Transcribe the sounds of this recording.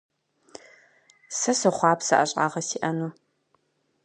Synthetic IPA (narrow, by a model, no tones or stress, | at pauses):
sɐsɐχʷɑːpsɐʔɐɕʼɑ̰ːʁɐsiːʔɐnuː